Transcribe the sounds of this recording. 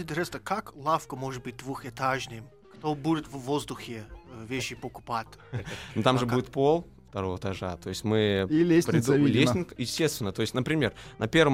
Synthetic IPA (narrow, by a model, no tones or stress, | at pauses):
ɪt̪ʲɾɛst̪əkaklˠafkəmoʐɨt̪̚bɨt̚ʲd̪vuxɛt̪aʐnʲɪjm | kt̪obudʲɪt̪vvozd̪ʊxʲɪvʲeɕːɪpəkʊ̥patʲnʊt̪amʐɨbudʲɪt̪̚po̞lˠ | ft̪ɐɾovət̪ɐʐat̪o̞jɪsʲtʲmɨilʲesʲpɾʲɪd̪ʲlʲesʲnʲɪkjɪsʲtʲest̪vʲɪnːət̪o̞ɪsʲtʲnəpɾʲɪmʲe̞rnɐpʲervəm